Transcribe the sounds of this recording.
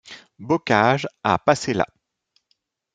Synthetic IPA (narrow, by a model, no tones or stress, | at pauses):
bɔkʲaʒapasela̰